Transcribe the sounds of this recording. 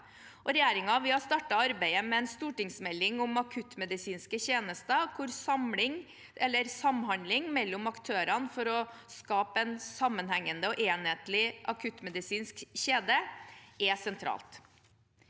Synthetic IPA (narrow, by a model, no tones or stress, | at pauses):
ʔɔɾɛjeːɾɪŋɑʋɪhɑst̪ɑːʈɑɑɾbæɪəmɛɛnst̪uːʈɪŋsmɛlːɪŋʊmɑkʰʉt̪ːmɛd̪ɪsiːnskəçeːnəst̪əkʰʊɾsɑmlɪŋ | ɛlːəɾsɑmɦɑnlɪŋmɛlːʊmɑkt̪ʰøːɾɑnfɔɾɔskɑːpəɛnsɑmːənhæŋːənd̪əɔʔeːnheːt̪lɪʔɑkʰʉt̪ːmɛd̪ɪsiːnskɕeːd̪əʔɛsɛnt̪ʰɾɑ̰ːlt̪